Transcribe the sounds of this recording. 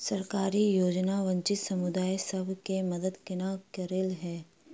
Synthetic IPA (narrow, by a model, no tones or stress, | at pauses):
sɐɾkaːɾijoːd͡ʒnaʋɐ̃ɲt͡ʃɪt̪sɐmʊd̪aːesɐbʱkemɐd̪əd̪kɪnakɐɾelɦɛː